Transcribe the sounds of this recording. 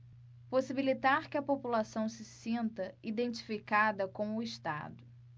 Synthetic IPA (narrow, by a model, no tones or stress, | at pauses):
posibilit̪aɾkɪɐpopulasɐ̃w̃sɪsĩnt̪ɐid̪ẽnt͡ʃi̥fikad̪ɐkõw̃ʊɪʃt̪a̰d̪ʊ